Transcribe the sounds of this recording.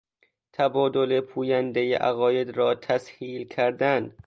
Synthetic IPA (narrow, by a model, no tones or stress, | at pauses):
t̪ʰæbɒːd̪olepʰuːjænd̪ejḛʔæ̰ɣɒːjed̪ɾɒːt̪ʰæshiːlkʰæɾd̪æn